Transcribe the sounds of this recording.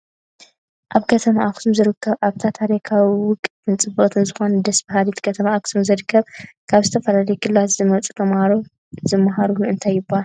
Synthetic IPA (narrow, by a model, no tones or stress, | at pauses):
ʔaβkʰɐt̪ʰɐmaaksumzɨɾɨkʰːɐβʔaβt̪ʰat̪ʰaɾikʰawiwʊkʼːt̪ʰɨnt͡sʼɨbɨʔt̪ʰɨnzɨxo̞nɐd̪ɐsbɐɦalit̪kʰɐt̪ʰɐmaʔːksʰumzɨɾɨkːɐβkʰaβzɨt̪ʰɐfɐlalɐjkʰɨlːazɨmɐt͡sʼu̥t̪ʰɐmhaɾo | zɨmːaɦaɾuluɨnt̪ʰajːɪbːaa